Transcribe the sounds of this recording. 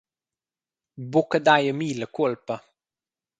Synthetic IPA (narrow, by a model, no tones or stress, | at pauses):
bukəd̪ajəmiːləkulpə